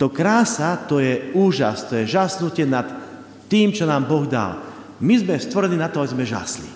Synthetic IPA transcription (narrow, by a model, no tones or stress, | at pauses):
t̪ɔkɾaːsat̪ɔjɛuːʒa̰st̪ɔjɛʒasnucɪɛnat̪ː | iːmt͡ʃɔnaːmbɔɣd̪a̰l | mizmɛst̪ʋɔɾɛniːnat̪ɔabizmɛʒa̰slḭ